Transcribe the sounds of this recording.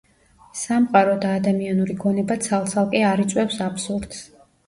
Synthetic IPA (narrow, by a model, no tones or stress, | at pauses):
samqʼaɾɔd̪aːd̪amianuɾiɡɔnɛbat̪sʰalˠt̪sʰalˠkʼɛaɾit̪sʼwɛfsapsuɾd̪̥s